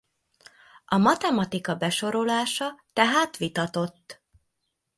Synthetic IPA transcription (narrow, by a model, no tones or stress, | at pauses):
ʔɒmɒt̪ɛmɒt̪ikɒbɛʃo̞ɾo̞laːʃɒt̪ɛɦaːt̪ʋit̪ɒt̪o̞t̪ː